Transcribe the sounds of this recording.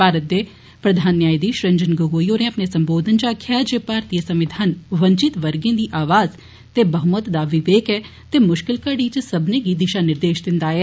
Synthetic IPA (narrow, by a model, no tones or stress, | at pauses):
paːɾət̪̚d̪eː | pɾəd̪ʱaːnːjaːid̪iːʃɾə̃ɲd͡ʒənɡoɡoːiːoːɾẽːəpneːsəmboːd̪ənt͡ʃaːkʰːjaːd͡ʒeːpaːɾt̪iːjəsəmʋɪd̪ʱaːnʋəɲt͡ʃɪt̪ʋəɾɡẽːd̪iːʔaːʋaːz | t̪eːbəɦʊmət̪d̪aːʋɪʋeːkɛː | t̪eːmʊʃkɪlkəɽiːt͡ʃsəbnẽːɡiːd̪ɪʃaːnɪɾd̪eːʃd̪ɪnd̪aːɛː